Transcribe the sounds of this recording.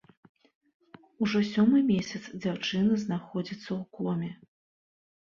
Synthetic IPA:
uʐɔsʲɔmɨmʲesʲɐt̪sd͡zʲawt͡ʂɨnɐznaxɔd͡zʲit̪sːɐwkɔmʲɛ

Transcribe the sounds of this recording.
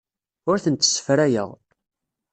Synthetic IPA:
ʊɾθənt̪ːə̥sə̥fɾæjə̰ʁ

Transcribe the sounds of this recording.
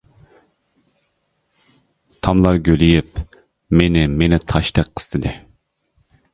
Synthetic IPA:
t̪ʰɑmlˠɑɾɡʲølijip | menɪmenɪt̪ʰɑʃt̪ɛk̚qʰə̥st̪ʰɨd̪ɨ

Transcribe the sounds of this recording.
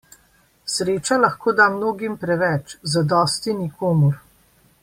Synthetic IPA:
sɾeːt͡ʃalɐxkoːd̪amnoːɡimpɾɛʋɛt͡ʃzad̪ɔːst̪inikʰoːmɔɾ

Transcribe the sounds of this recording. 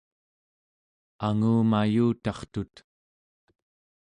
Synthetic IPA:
aŋuːmajuːt̪ɑχt̪ut̪

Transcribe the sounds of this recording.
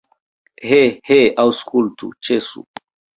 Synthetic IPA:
heheawskult̪ṵt͡ʃesṵ

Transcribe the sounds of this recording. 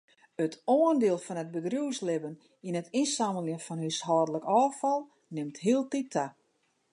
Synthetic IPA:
ətʰoːəndɪəlˠfɔnət̚bədruəslɪbən | inətinsaməlˠjənfɔnɦyshɔːdələkɔːfɔlˠ | nɪmtɦiəlˠtitʰa

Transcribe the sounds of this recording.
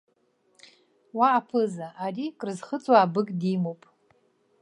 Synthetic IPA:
waːpʰɨzaʔarikʼrɨzχət͡sʼwaːbɨkʼdimowpʼ

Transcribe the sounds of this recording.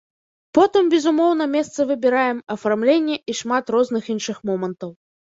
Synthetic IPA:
pɔt̪ɨmbʲɛzumɔwnɐmʲɛst̪sɐvɨbʲɛɾajɛmɐfarmlʲenʲːɛʔiʂmat̪rɔzn̪ɨxinʂɨxmɔmɐnt̪ɐw

